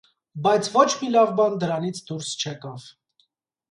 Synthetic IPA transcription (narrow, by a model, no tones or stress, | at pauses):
bɑjt͡sʰvɔt͡ʃʰmilɑvbɑnd̪əɾɑnit͡sʰd̪uɾst͡ʃʰɛkɑv̥